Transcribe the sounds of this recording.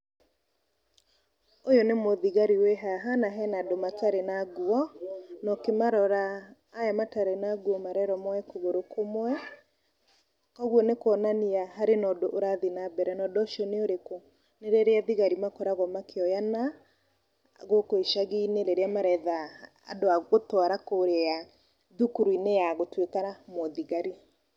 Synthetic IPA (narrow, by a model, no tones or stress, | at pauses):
ojonemoðiɣaɾiwɛɦaɦanaɦɛnadomataɾenaɣuɔnɔkemaɾɔɾaː | jamataɾenaɣwɔmaɾɛɾɔmɔɛkoɣoɾokomwwɛ | kɔɣwɔnekwɔnaniaɦaɾenɔdoʔoɾaðinabɛɾɛnɔdɔʃiɔneoɾeko | neɾeɾeaðiɣaɾimakɔɾaɣɔmakʰeɔjana | ɣokoiʃaɣiːneɾeɾeamaɾɛða̰ː | doaɣotɔaɾakoɾea | ðukuɾuinejaɣotwekaɾamoðiɣaɾi